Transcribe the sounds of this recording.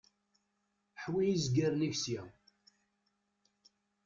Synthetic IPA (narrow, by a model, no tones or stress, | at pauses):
ħwijizɡæɾniʝsjæ